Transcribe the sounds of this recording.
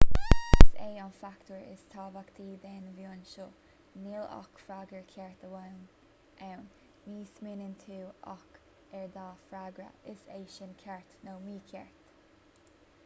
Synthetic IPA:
ɪsḛːanfakt̪əɹɪ̰st̪ʰaːbakt̪ʰiːd̪eːnəvjoːnʃo | nɪla̰kfɾaːɡəɹkʰɛɹt̪əwawn | ʔawn | miːsmɪnɪnt̪ʰuːa̰k | ɛɹd̪aːfɾaɡɾə̰ɪseːʃɪnkʰɛɹt̪noːmiːkʰɛɹt̪

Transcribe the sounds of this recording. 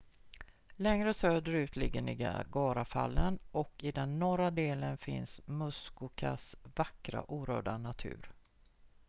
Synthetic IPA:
lɛŋɾəsøːd̪əɾʉ̟ːt̪lɪɡːənɪɡaɡɑːɾafa̰lːənɔkɪd̪ɛnːɔɾad̪eːlənfɪ̰nsmɵskʊkʰa̰svakɾa̰ʔuːɾœ̰ːɖanat̪ʰʉ̟̰ːɾ

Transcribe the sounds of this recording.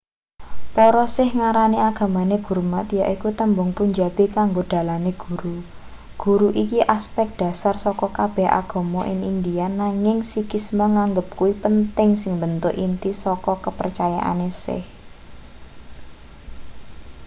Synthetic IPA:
pɔɾɔsɪhŋaɾaniaɡ̥ä̤maneɡ̥ṳrmat̪jaʔikut̪əmbʊŋpuɲd͡ʒab̥ekaŋɡod̥a̤laneɡ̥uɾu | ɡ̥ṳɾuʔikiʔaspɛk̚d̥ä̤sarsɔkɔkab̥ɛhʔa̰ɡ̥o̤mɔʔɪ̰ŋind̪ijanaŋɪŋsikismaŋaŋɡəp̚kuipənt̪ɪŋsɪŋbənt̪ʊʔint̪isɔkɔkəpərt͡ʃaja̰ʔa̰nesɪ̰h

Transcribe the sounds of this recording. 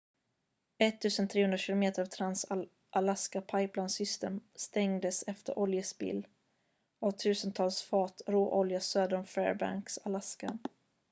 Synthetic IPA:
ɛt̪ʰːʉ̟ːsənt̪ʰɾeːhɵnd̪ɾaɕɪlʊmeːt̪əɾɑvt̪ʰɾans | ʔalaskapʰajplaɪnsʏst̪ḛːmst̪ɛŋd̪əsɛft̪ə̰ɾʔɔljəsbɪ̰lː | ɔt̪ʰʉ̟ːsənt̪ʰɑːlsfɑːt̪ɾoːʔɔljasøːd̪əɳfɛ̰ːɾba̰ŋksalaska̰

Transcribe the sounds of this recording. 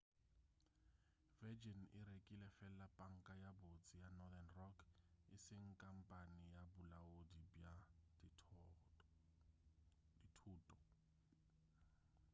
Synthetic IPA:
vɛd͡ʒɔnɪɾekʼilɛfɛlapʼaŋ̩kʼajabot͡sʼijanɔdanrɔkʰɪsɪŋ̩kʼam̩pʼanɪjabʊlaodia | ditʰuːtʼɔ

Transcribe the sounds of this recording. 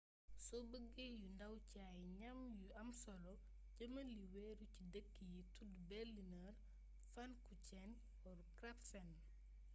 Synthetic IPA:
sɔbəɡejundɐwcajɲɐmjuɐmsɔlɔ | ɟɐmɐliwɛːɾucidəkːijitudbɛlːinɐr | fɐnkucɛn | ɔɾkɾɐpfɛn

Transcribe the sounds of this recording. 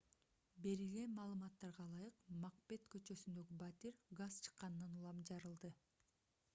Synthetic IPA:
be̞ɾilɡe̞nmɑːlˠɯmɑt̪ːɑɾʁɑlˠɑjɯqmɑq̚pe̞t̪kø̞t͡ʃø̞synd̪ø̞ɡibat̪iɾʲɡaz̥t͡ʃʰɯ̥qːɑnɯnɑnulˠɑmd͡ʒɑɾɯlˠd̪ɯ

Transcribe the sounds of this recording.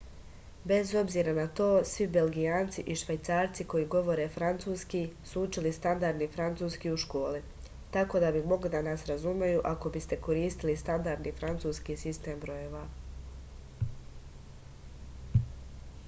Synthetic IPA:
be̞zo̞bziːɾanat̪o̞ːsʋibe̞lɡijaːnt̪siʔiʃʋajt̪saːɾt̪siko̞jiːɡo̞ʋo̞ɾe̞fɾant̪suːskisuut͡ʃilist̪and̪aɾd̪nifɾant̪suːskiuʃko̞ːli | t̪ako̞d̪abimo̞ɡlid̪anaːsɾazumajuʔako̞bist̪e̞ko̞ɾiːst̪ilist̪and̪aɾd̪nifɾant̪suːskiːsist̪e̞ːmbɾo̞jeːʋa

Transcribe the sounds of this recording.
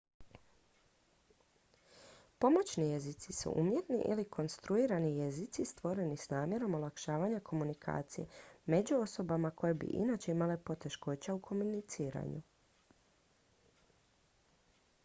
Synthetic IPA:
po̞mo̞t͡ɕnije̞zit̪sisṵʔumje̞t̪niʔḭlikʰo̞nst̪ɾuiːɾanijezit̪sist̪ʋo̞ɾe̞nisnaːmje̞ɾo̞molˠakʃaːʋaɲakʰo̞munikʰa̰ːt̪sije̞̰me̞d͡ʑuo̞so̞bamako̞jebḭʔḭnaːt͡ɕe̞imale̞po̞t̪e̞ʃko̞t͡ɕaukʰo̞munit̪siːɾa̰ɲṵ

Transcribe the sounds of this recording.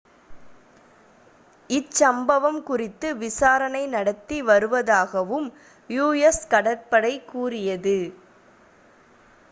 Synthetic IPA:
ɪt͡ʃːɐmbɐʋɐmkʊrɪt̪ːɯʋɪsaːɾɐnɐɪnɐɽɐt̪ːiʋɐɾɯʋɐðaːɣɐʋɯm | juːɛskɐɽɐʈpɐɽɐɪkːuːrɪjɐðɯ

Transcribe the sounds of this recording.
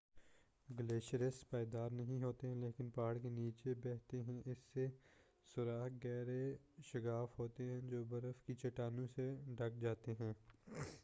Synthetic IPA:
ɡəleːʃɾəspaːjd̪aːɾnɐɦĩɦoːt̪eɦɛ̃leːkɪnpaːɽkeniːt͡ʃebɛːɦt̪eɦɛ̃ʔɪsːe | sʊɾaːɦɡɛːɾe | ʃɐɡaːfɦoːt̪eɦɛ̃d͡ʒoːbɐɾəfkit͡ʃɐʈaːnũseɖʱɐk̚d͡ʒaːt̪eɦɛ̃ː

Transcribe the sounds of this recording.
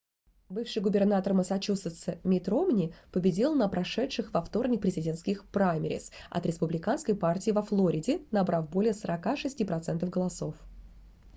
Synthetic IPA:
bɨfʂɨjɡʊbʲɪrnat̪ərməsɐt͡ɕusət̪sɨmʲɪt̪ɾomnʲɪpəbʲɪdʲilˠnəpɾɐʂɛtʂɨxvɐft̪o̞rnʲɪk̚pɾʲɪzʲɪdʲe̞nt̪skʲɪxpɾajmʲɪɾʲɪ̰sɐ̰t̪ɾʲɪspʊblʲɪkanskəjpartʲɪːɪvɐflˠoɾʲɪdʲɪnɐbɾafbo̞lʲɪjəsəɾɐkaʂɨsʲtʲipɾɐt̪sɛnt̪əvɡəlˠɐso̞f

